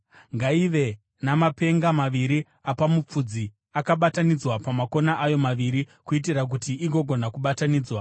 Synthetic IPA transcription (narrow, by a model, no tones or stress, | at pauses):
ŋɡaiʋe̞ | namape̞ŋɡamaʋiɾi | apamup͡fud͡zi | akaɓatanid͡zwapamako̞naʔajo̞maʋiɾi | kuit̬irak̬utiʔiɡo̞ɡʱo̞nakuɓataniːd͡zwa